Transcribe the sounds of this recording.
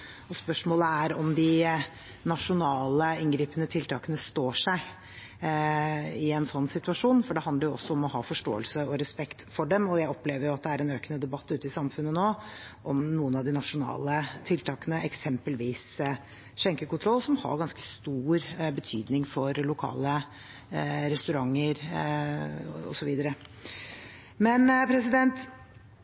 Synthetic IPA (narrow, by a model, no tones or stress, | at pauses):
ɔspœʂmoːləæɾɔmd̪ɪ | nɑʂʊnɑːləɪnɡɾiːpənət̪ʰɪlt̪ʰɑːkənəst̪oːʂæɪ | ɪɛnsɔnːsɪt̪ʉɑʂuːnfɔɖɛhɑnd̪əɾjʊɔ̰sːɔɔmɔɦɑːfɔʂʈo̰ːəlsəɔɾɛspɛkt̪fɔɖɛmɔjæɪɔpleːʋəɾjʊɑt̪̚d̪ɛæɾɛnøːkənəd̪ɛbɑt̪ːʉːt̪əɪsɑmfʉnːənoːʔɔmnuːənɑʋd̪ɪnɑʂʊnɑ̰ːlət̪ʰɪlt̪ʰɑːkənəʔɛksɛmpəlʋiːs | ʂɛŋkəkʊnt̪ʰɾɔlsɔmhɑ̰ɾɡɑnskə̥st̪uːɾbət̪ʰy̰ːd̪nɪŋfɔɾlʊkʰɑ̰ːlə | ɾɛst̪ʉɾɑŋːəɾ | ɔ̰sɔʋiːd̪əɾə | mɛnpʰɾɛsɪd̪ɛnt̪